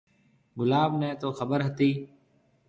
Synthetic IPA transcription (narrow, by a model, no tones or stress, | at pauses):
ɡʊlaːbnɛ̃ːt̪oːxəbəɾɦət̪iː